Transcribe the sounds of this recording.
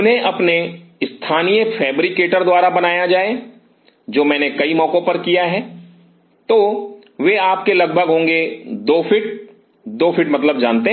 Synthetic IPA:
ʊnɦẽʔɐpneɪst̪ʰaːnijəfʰɛːbɾɪkeːʈəɾd̪waːɾabɐnaːjad͡ʒaːe | d͡ʒoːmɛ̃ːnekɐimɔ̃ːkõpɐɾkijaɦɛː | t̪oː | ʋeaːp̚kelɐɡ̚bʱəɡɦõːŋɡed̪oːfʰɪʈ̚ | d̪oːfʰɪʈmɐt̪ləb̚d͡ʒaːnt̪eɦ

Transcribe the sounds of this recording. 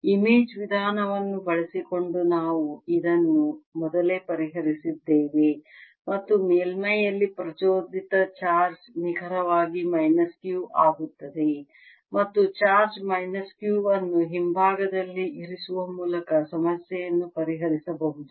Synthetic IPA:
imeːd͡ʒʋid̪ʱaːnɐʋɐnːubɐɭɐsiko̞ɳɖunaːʋuid̪ɐnːumɔd̪ɐle̞ːpɐɾiɦɐɾisid̪ːeːʋe | mɐt̪ːumeːlmɐjɐlːipɾɐt͡ʃoːd̪ʱit̪ɐt͡ʃaːɾd͡ʒniɡʱɐɾɐʋaːɡimɐjnɐskjuːʔaːɡut̪ːɐd̪e̞ | mɐt̪ːut͡ʃaːɾd͡ʒmɐjnɐskjuːʋɐnːuɦimbʱaːɡɐd̪ɐlːiʔiɾisuʋɐmuːlɐkɐsɐmɐsjɛjɐnːupɐɾiɦɐɾisɐbɐɦud̪u

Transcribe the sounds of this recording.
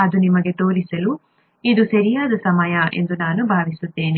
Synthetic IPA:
ɐd̪unimɐɡe̞t̪o̞ːɾisɐlu | id̪usɐɾijaːd̪ɐsɐmɐjɐe̞̰nd̪unaːnubʱaːʋisut̪ːe̞ːni

